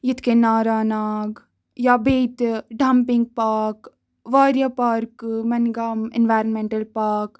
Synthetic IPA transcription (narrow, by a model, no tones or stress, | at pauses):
jit̪ʰkenaːɾaːnaːɡ | jaːbeːt̪ɖampɪŋɡ̚paːk | ʋaːɾjaːpaːɾkmɐnɡaːmɪ̰nʋaːɾənmẽɳʈəlpaːk